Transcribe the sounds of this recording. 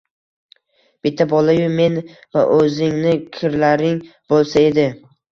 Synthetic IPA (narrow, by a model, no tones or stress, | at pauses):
b̥ɪt̪ʰːabɒlˠajʊme̞n | va̰ʔɵzɪŋnɪkʲʰɪɾlaɾɪŋbolˠsae̞d̪ɪ